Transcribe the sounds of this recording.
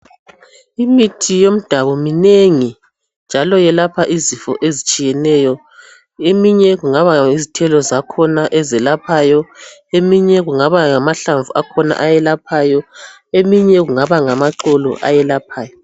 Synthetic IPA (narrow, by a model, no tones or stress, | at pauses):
imitʰijom̩d̥ʱaβɔmineŋi | nd͡ʒʱalɔjɛlapʰaʔizifɔ̰ʔezit͡ʃʼijɛnɛːjɔ | emiɲɛɣuŋaβaizitʰɛlɔzakʰɔnaʔɛzɛlapʰajɔemiɲɛɣuŋaβaŋamaɬaɱvuakʰɔna̰ʔajɛlapʰaːjɔ | emiɲɛɣuŋaβaŋamaǁɔlɔ̰ʔa̰jɛlapʰaːjɔ